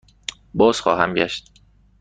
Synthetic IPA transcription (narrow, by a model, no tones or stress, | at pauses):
bɒːz̥xɒ̰ːhæ̰mɟæʃt̪̚